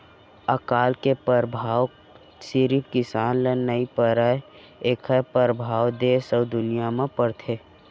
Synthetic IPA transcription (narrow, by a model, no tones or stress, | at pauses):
əkaːlkepəɾbʱaːw | sɪɾipkɪsaːnlenəipəɾə | eːkʰəpəɾəbʱaːwd̪eːsəwd̪ʊnijamẽpəɾt̪ʰeː